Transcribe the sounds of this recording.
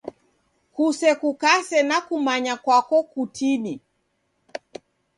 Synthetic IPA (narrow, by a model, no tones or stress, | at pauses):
kusɛkukasɛnakumaɲakwakɔkutʰiɗi